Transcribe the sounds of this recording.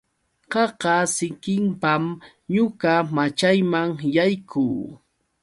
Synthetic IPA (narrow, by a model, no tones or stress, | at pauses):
ɢɑɢɑsɪkɪmpam | ɲʊkamat͡ʃajmaŋjajkʰuː